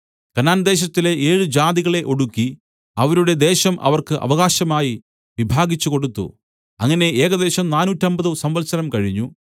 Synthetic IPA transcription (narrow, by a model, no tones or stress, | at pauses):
kɐnaːnd̪e̞ːɕ̬ɐt̪ːile̞ʔeːɻɨd͡ʑaːðiɣɐɭe̞ʔo̞ɽukːi | ɐʋɐɾuɽe̞d̪e̞ːɕɐmʔɐ̰ʋɐrkɨʔɐ̰ʋɐɣaːɕɐmaːji | ʋibʱaːɣit͡ɕːuko̞ɽut̪ːṵ | ɐŋːɐne̞e̞ːɣɐd̪e̞ːɕɐmnaːnuːtːɐmbɐðusɐmʋɐlsɐnɐmkɐɻiɲːu